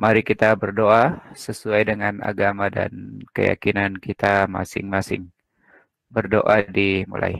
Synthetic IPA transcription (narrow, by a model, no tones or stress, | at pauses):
maɾikit̪abərdoʔasəsuajdəŋana̰ɡamada̰nkəja̰kinankit̪ama̰sɪ̰ŋmasɪ̰ŋ | bərdoʔadimṵla̰j